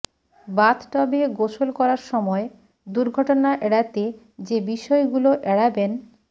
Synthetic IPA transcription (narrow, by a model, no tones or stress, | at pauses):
bat̪ʈɔbeɡoʃolkɔɾaɾʃɔmɔe | d̪uɾɡʱɔʈonaʔɛɽat̪e | d͡ʑebiʃɔeɡuloʔɛɽaben